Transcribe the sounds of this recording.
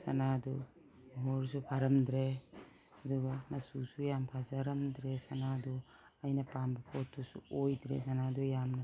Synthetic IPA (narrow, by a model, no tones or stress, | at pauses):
sa̰nadɔ | ɦɔɾsupʰaɾamdɾe | adɔɡamasusujampʰazaɾamdɾesanadɔ | ajnapambapʰotʰːusuojdɾḛsanadujamna